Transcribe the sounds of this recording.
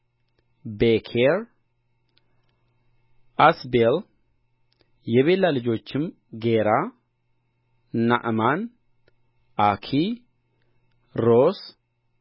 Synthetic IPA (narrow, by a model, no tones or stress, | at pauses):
bekʰeɾ | ʔasbel | jɛβelːalɨd͡ʒo̞t͡ʃːɪm | ɡeɾa | na̰ʔman | ʔakʰi | ɾos